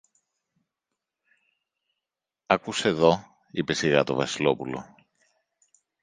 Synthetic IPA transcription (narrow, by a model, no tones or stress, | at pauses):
ɐkuse̞ðo̞ | ipe̞siɣɐt̪o̞̰vɐsilo̞pulo̞̰